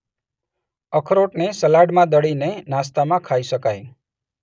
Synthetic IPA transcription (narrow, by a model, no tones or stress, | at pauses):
əkʰɾoʈnesəlaɽmãd̪əɽinenast̪amãkʰaiʃəkaj